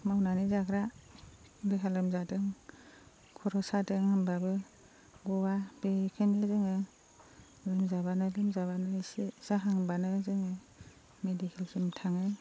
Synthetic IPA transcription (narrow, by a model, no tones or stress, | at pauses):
mawnanizakɾa | dɯɦalɯmzadɯŋ | kʰɔɾɔsadɯŋhambabɯ | ɡɔwabekʰɯjnɯzɯŋɯ | lɯmzaβanɯlɯmzaβanɯsisaɦaŋbanɯzɯŋɯ | medikʰelsɯmtʰaŋɯj